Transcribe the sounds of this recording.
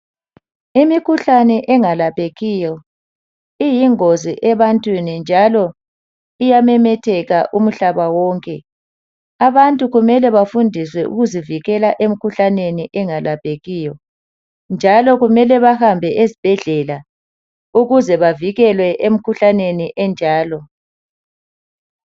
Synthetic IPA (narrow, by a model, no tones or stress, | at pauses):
imikʰuɬanɛʔɛŋalapʰʼeɣijɔ | ijiŋoziʔɛβantʼwinind͡ʒʱalɔ | ijamɛmɛtʰɛɣaʔum̩ɬaβawɔːŋkʼɛ | aβantʼuɣumɛlɛβafundʱiswɛʔṵɣuziviɣɛlaʔem̩kʰuɬaneniʔɛŋalab̥ʱeɣijɔ | nd͡ʒʱalɔɣumɛlɛβahambʱɛʔezib̥ʱɛɮɛla | uɣuzɛβaviɣɛlwɛʔem̩kʰuɬaneniʔɛnd͡ʒʱaːlɔ